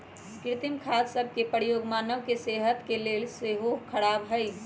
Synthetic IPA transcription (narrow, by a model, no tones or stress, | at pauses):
skɾit̪imkʰalsəb̚ʱkepəɾijoɡmanəʋkeseɦət̪kelelseɦokʰəɽabɦəɪ